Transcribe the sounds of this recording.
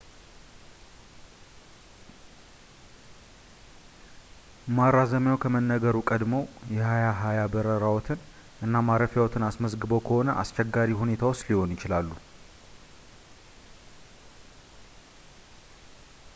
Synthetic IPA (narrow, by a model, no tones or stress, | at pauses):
maɾazəmjawkʰəmənːəɡəɾukʼəd̪mowjɛhajaɦajabəɾəɾawɔt̪ʰɨn | ʔɨnːamaɾəfjawɔt̪ʰɨnasməzɡɨbo̞kʰəhonəʔa̰st͡ʃɛɡːaɾihune̞t̪ʰawosliho̞njɪt͡ʃɪlalːu